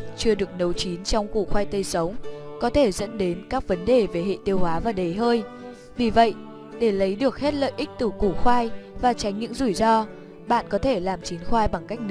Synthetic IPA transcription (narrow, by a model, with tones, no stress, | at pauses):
t͡ɕɨ˧əɗɨ˨˩ək̚nə˨˦wt͡ɕi˨˦nt͡ɕɔ˧wŋ͡mkṵ˧˩xwaː˧jt̪ə˧jsə˨˦wŋ͡mkɔ˨˦t̪ʰe˧˩zə̰˧˥nɗe˨˦nkaː˦˥k̚və˨˦nɗe˨˩ve˨˩ɦḛ˧˨t̪i˧əwhwaː˨˦vaː˨˩ɗe˨˩ɦəː˧j | vi˨˩və̰˧˨jʔ | ɗe˧˩lə˨˦jɗɨ˨˩ək̚he˦˥t̚lə̰ː˧˨jʔï˦˥k̚t̪ɨ˨˩ku˧˩xwaː˧jvaː˨˩t͡ɕa˨˦jŋɲɨ̰˧˥ŋzu˧˩jzɔ˧ | ɓa̰ː˧˨nkɔ˨˦t̪ʰe˧˩laː˨˩mt͡ɕi˨˦nxwaː˧jɓa˨˩ŋka˦˥jk̟̚n˦˥